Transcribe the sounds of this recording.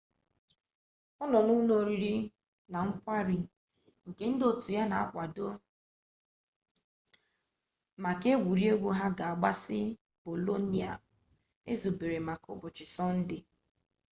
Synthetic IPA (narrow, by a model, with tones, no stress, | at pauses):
ɔ˦nɔ˨nu˦no˦˨ɾi˦ɾi˦ | na˨ŋ̩˦kʷa˦ɾi˨ | ŋ̩˨ke˦n̩˦do˨tu˨ja˦na˨a˦kʷa˨do˦ | ma˨ke˦ɡʷu˨ɾi˦e˦ɡʷo˦ɦa˦ɡa˨a˨ɡ͡ba˦sɪ˦ | b̥o˨lo˦ni˦˨a̰˨ | e˦zu˨be˨ɾe˨ma˨ko̰˨bʊ˨t͡ʃɪ˨sɔ˦n̩˦dɪ˦